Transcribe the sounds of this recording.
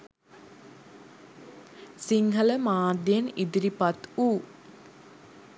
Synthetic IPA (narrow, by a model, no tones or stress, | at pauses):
siŋɦələmaːd̪jenid̪iɾipat̪uː